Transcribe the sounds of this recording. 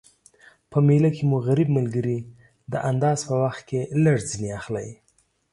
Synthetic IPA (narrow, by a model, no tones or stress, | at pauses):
pəmelakʰemuɣaɾib̚malɡəɾi | d̪əʔand̪ɑzpəwaxt̪̚keləɽd͡zineaxlaj